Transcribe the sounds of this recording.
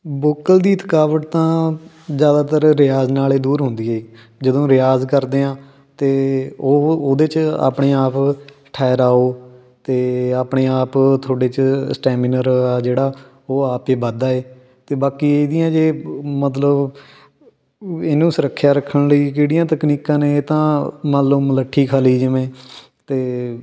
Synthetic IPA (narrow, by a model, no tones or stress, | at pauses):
boːkəld̪iːɪt̪ʰəkaːʋəʈ̚t̪ãː | zjaːd̪aːt̪əɾɾɪjaːznaːleːd̪uːɾɦʊnd̪iːɦeiː | d͡ʒəd̪õːɾɪjaːzkəɾd̪eːãː | t̪eːoːoːd̪eːt͡ʃa̰ːpɳeːaːp | ʈʰaːɾaːoː | t̪eːaːpɳeːaːpt̪ʰoːɖeːt͡ʃsʈɛːmɪnəɾaːd͡ʒeːɽaː | oːaːpeːbad̪aːeː | t̪eːbaːkiːeːd̪ɪjãːd͡ʒeːmət̪ləb | ɪnũːsəɾəkʰːjaːɾəkʰːəɳləiːkeːɽijãːt̪əkniːkãːnẽːt̪ãːmaːloːmələʈʰːiːkʰaːliːd͡ʒəʋẽː | t̪eː